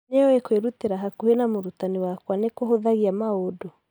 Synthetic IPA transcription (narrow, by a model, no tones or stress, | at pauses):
neɔekweɾuteɾaɦakuhenamoɾutaniwakwanekoɦoðaɣiamaodo